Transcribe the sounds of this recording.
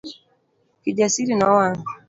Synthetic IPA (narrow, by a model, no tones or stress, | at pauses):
kiʄasiɾinaɔwaŋ